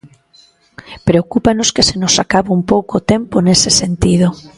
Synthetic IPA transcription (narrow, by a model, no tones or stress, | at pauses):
pɾeokupanoskesenosakaβoumpowkot̪emponesesent̪ið̞o